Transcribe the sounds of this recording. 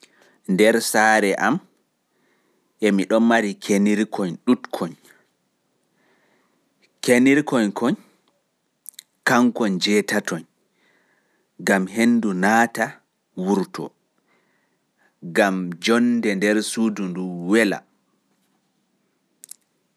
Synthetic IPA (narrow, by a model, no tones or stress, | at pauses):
ndɛɾsaːɾɛʔam | ʔɛmiɗɔnmaɾikʰeniɾkʰɔɲɗutkʰɔɲ | kʰeniɾkɔɲkʰɔɲ | kaŋkɔɲd͡ʒɛːtatʰɔɲ | ɡamɦenːdunaːta | wuɾtɔ̰ | ɡamd͡ʒɔndɛndɛɾsudunduwɛla̰